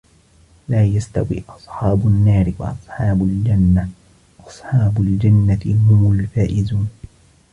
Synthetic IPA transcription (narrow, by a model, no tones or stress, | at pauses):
laːjast̪awḭːʔɑsˤħɑːbʊnːaːɾɪwa̰ʔɑsˤħɑːbʊld͡ʒanːa | ʔɑsˤħɑːbʊld͡ʒanːahʊmʊlfaːʔɪzuːn